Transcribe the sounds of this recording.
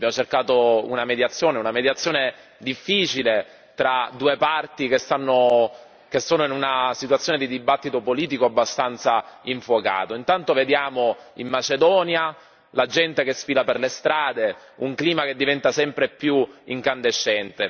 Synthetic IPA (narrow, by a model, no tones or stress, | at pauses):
abjamot͡ʃerkaːt̪ounamed̪jat̪sːjoːneunamed̪jat̪sːjoːne | d̪ifːiːt͡ʃile | t̪ɾad̪uːepart̪ikest̪anːo | k̟esːoːnoinunasit̪wat̪sːjoːned̪id̪ibat̪ːit̪opoliːt̪̬ikoabːast̪ant̪saiɱfwoka̰ːt̪oint̪ant̪oved̪jaːmoimːat͡ʃed̪ɔːnja | lad͡ʒɛnt̪ekesfiːlaperlest̪ɾaːd̪e | uŋkliːmaked̪ːivɛnt̪asɛmpɾepjuiŋkand̪eʃːɛnt̪e